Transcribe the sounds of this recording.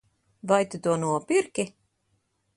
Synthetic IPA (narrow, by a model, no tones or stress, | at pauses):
vajt̪ɨt̪uɔnuɔpiɾkʲi